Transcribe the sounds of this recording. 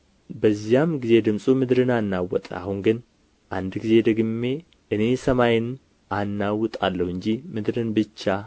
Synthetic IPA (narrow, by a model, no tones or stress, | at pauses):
bəzːijamɡize̞d̪ɨmsʼumɨd̪ɾɨnanːawːɔt̪ʼə̰a̰hunɡɨn | ʔand̪ɡize̞d̪əɡɨmːe̞ | ʔɨne̞səmajɪn | ʔanːawʊt̪ʼalːəhɨɲd͡ʒimɨd̪ɾɨnbɨt͡ʃːa